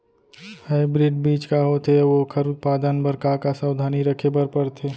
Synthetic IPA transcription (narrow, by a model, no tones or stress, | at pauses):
haːɪbɾɪɖbiːt͡ʃkaɦot̪eʋokʰəɾʊt̪̚paːd̪ənbəɾkakasaʊd̪ʱaːniɾəkʰebəɾpɐɾt̪ʰeː